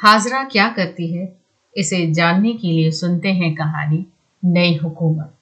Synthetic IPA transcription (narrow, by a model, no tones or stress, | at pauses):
haːzɾakjaːkɐɾt̪iɦɛ | ɪsed͡ʒaːnːekeliesʊnt̪eɦɛ̃kɐɦa̰ːni | nɐiɦʊkuːmət̪̚